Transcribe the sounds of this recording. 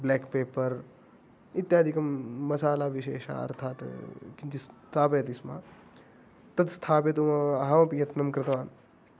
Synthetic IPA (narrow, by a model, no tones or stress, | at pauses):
bleːkpeːpɐɾ | it̪jaːd̪ʱikɐmːɐsaːlaːʋiʃḛːʃa̰ɐ̰ɾt̪ʰaːt̪kit̪ist̪ʰaːpeːt̪isma̰ː | t̪ɐd̪st̪ʰaːp̬et̪umɐɐɦaʋɐpijɐt̪nɐmkɾɪt̪ɐʋaːn